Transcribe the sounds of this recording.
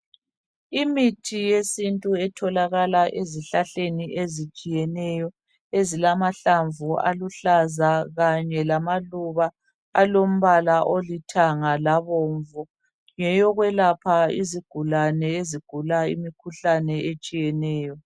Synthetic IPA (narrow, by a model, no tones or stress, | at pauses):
imitʰijesintʼuɛtʰɔlaɣalaʔeziɬaɬeniʔezit͡ʃʼijɛnɛjɔ | ezilamaɬaɱvua̰luɬazaɣaɲɛlamaluβa | a̰lom̩βalaʔolitʰaŋalaβɔːɱvɔ | ŋɛjɔɣwɛlapʰaḭziɡ̥ʱulanɛeziɡ̥ʱulaḭmikʰuɬanɛet͡ʃʼijɛnɛːjɔ